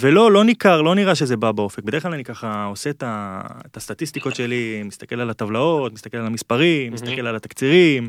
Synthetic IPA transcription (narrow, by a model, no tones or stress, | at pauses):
ve̞lo̞lo̞nikaʁlo̞niʁaʃeze̞babaofek̚bed̪χlalanikaχaose̞t̪aet̪ast̪at̪ist̪iko̞t̪ʃe̞limist̪ake̞lalat̪avlao̞t̪mist̪ake̞lalamispaʁimmːist̪ake̞lalat̪akt͡siʁim